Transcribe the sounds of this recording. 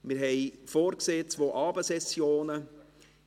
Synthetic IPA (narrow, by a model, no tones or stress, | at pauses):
mɪɾɦɛjfoːɾkseːt͡sʋoːʔɑːbəsɛsjoːnə